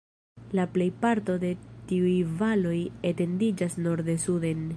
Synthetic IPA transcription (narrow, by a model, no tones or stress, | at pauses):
laple̞jpaɾto̞de̞tiujvalo̞jete̞ndid͡ʒasno̞ɾdesude̞n